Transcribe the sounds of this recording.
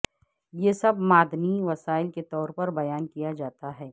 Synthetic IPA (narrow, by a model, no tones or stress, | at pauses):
jeːsɐbmaːd̪niʋɐsaːɪlket̪ɔːɾpɐɾbɐjaːnkijad͡ʒaːt̪aɦɛː